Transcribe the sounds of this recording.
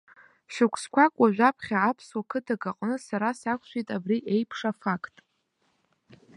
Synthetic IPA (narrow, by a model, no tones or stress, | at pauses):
ʃᶣɨkʷʰskʷʰakʷʼwaʒᶣʷapʰχʲaːpʰswakʰɨtʰaɡaqʼnɨsaɾasakʷʰʼʃʷejtʼabriʔe̞jpʰʂafakʰtʼ